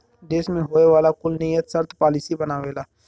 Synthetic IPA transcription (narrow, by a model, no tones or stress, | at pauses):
d͡ʒeːsmẽɦoːeʋaːlakʊlnijət̪səɾt̪ʰpaːlisibənaːʋeːlaː